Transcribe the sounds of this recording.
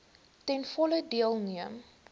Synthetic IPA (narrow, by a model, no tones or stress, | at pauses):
tɛnfɔlədiəlˠniəm